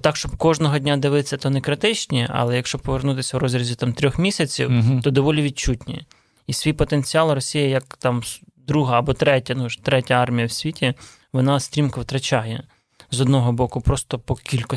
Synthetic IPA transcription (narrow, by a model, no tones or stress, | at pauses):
t̪ɑkʃt͡ʃɔbkɔʒnɔɦɔdʲnʲad̪ɪʋɪsʲːɐt̪ɔnɛkɾɪt̪ɪt͡ʃnʲiɐ̰lˠɛjɐkʃt͡ʃɔpɔʋernut̪ɪsʲɐwɾɔzʲɾʲizʲit̪ɑmt̪ɾʲɔxmʲisʲɐt͡sʲḭwt̪ɔd̪ɔʋɔlʲiʋʲit͡ʃutʲnʲi | isʲʋʲijpɔt̪ent͡sʲiɑlˠɾɔsʲijɐjɐkt̪ɑm | d̪ɾuɦɐːbɔt̪ɾɛtʲɐnuʒt̪ɾɛtʲɐɑrmʲijɐwsʲʋʲitʲi | ʋɔnɑsʲt̪ʲɾʲimkɐʋt̪ɾɐt͡ʃajɛ | zɔd̪nɔɦɔbɔkʊpɾɔst̪ɔpɔkʲilʲkɔ